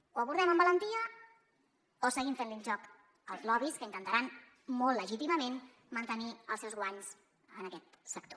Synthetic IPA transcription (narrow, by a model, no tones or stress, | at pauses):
uwəβuɾðɛməmbələnt̪iə | osəɣimfenlinʲʒɔk | əlˠzlɔβiskəint̪ənt̪əɾan | mɔlˠlːəʒit̪iməmen | mənt̪əniəlˠsɛwzɣwaɲz | ənəkɛt̪sək̚t̪o̥